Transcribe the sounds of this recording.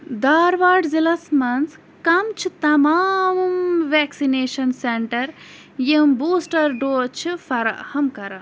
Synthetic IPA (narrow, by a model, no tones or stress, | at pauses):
d̪aːɾʋaːɖzilɐsmɐns | kɐmt͡ʃʰit̪ɐmaːmmʋeksineːʃɐnseɳʈɐɾ | jimbuːsʈɐɾɖoːt͡ʃʰifɐɾɐ̰ʔhɐmkɐɾɐ